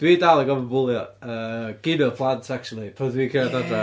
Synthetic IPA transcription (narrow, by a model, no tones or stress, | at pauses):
d̥wiːdalˠaɡɔvəbʊlˠjɔəɡ̥ɪnɔpʰlˠantʰak̚t͡ʃulˠipʰodwikʰeadadra